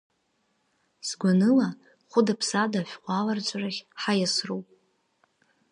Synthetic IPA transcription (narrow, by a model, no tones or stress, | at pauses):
sɡʷanɨla | χʷʊdapʰsadaħʷᶣqʷʼalart͡sʷʼaraχʲħajasruwpʼ